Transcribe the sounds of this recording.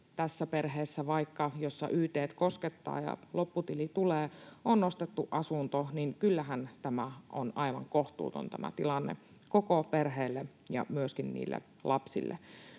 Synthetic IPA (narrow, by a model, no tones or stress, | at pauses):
t̪æsːæperɦeːsːæʋɑikːɑjosːɑ̰ʔyːt̪eːt̪kosket̪ːɑ̰ːjɑ̰lopːut̪ilit̪uleːʔonnost̪et̪ːuʔɑsunt̪oniŋkylːæɦænt̪æmæʔonɑiʋɑ̰ŋkoht̪ṵːt̪o̰nt̪æmʔæ̰t̪ilɑnːḛ | kokoperɦeːlːe | jɑ̰myøskinnḭːlːḛ | lʔɑpsḭlːḛ